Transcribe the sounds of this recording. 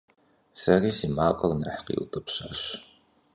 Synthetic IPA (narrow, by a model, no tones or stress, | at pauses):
sɐriːsiːmaːqʼɐrnɐħqḭːʔṵtʼɨpɕaːɕ